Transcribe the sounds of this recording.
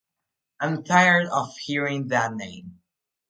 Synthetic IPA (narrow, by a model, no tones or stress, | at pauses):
ãɪ̃mtʰaɪə˞ɾʌv̥hiɹɪ̃ŋðæt̚ⁿnẽɪ̃m